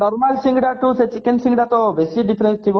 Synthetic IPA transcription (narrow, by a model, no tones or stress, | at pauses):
nɔɾmalsiŋɖaʈuset͡ɕikensiŋɡɖat̪obesiɖipʰeɾensʈʰibo